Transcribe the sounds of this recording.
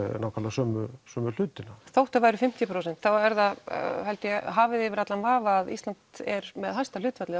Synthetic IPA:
naːwkʰat̪lasœːmʏsœːmʏl̥ʏːt̪ɪnaθowht̪avaːjɾʏfɪm̥t̪jɪpʰɾoːwsɛnt̪θawɛɾθahajlt̪ɪjɛɦaːvɪðɪvɪɾat̪lanvaːvaaðḭst̪ant̪ɛɾmɛðhajst̪alʏːt̪fat̪lɪ

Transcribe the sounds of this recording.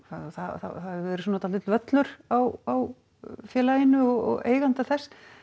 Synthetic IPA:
θaθaðθa̰θaðɛɾɪsuːnat̪alɪt̪lvœt̪lʏɾ̥awaw | fjɛːlajɪnːʏɔɣɔ̰ɣḛːjɣant̪aθɛsː

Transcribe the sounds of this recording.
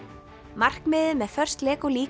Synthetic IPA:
mar̥kmɪːðʏmɛðfœr̥st̪lɛːkɔliː

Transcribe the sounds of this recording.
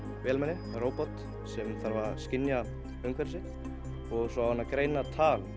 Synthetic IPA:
vɛːlmɛnːɪ | roːwpɔt̪ | sɛmθaɾvaɾskɪnja | œŋkvɛɾsɪt̪ | ɔɣsɔaanːakɾeːjnat̪ʰaːl

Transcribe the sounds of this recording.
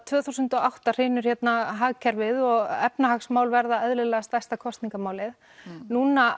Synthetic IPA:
t̪ʰvœːθusʏnt̪ɔawht̪ar̥eːnʏɾ̥çjɛt̪naɦaɣcʰɛɾvɪðɔɣɛpnahaksmaːwlvɛɾðaɛðlɪlɛːɣast̪ajst̪akʰɔst̪niŋkamaːwlɪð | nuːna

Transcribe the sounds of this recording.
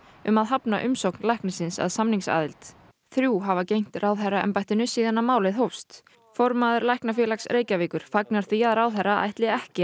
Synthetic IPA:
ʏmaðɦapnaʔʏmsowknlajhknɪsɪnsa̰ðsamniŋksa̰ːðɪlt̪ | θɾjuːɦavacejŋ̥t̪rʔaːwðaraɛ̰mpajht̪ɪnʏsiːðanːamaːwlɪðɦowfst̪ | fɔɾmaːðʏɾlajhknafjɛːlaksrʔeːjcaviːkʏɾ̥faknaɾ̥θiaðraːwðaɾːaa̰jht̪lɪɛhcɪ

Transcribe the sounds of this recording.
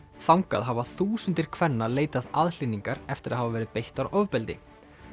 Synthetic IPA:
θawŋka̰ðɦavaθuːsʏnt̪ɪɾ̥kʰvɛnːaleːjt̪aðaðl̥inːiŋkaɾɛft̪ɪɾaðɦavavɛɾɪðpejht̪aɾɔvpɛlt̪ɪ̰

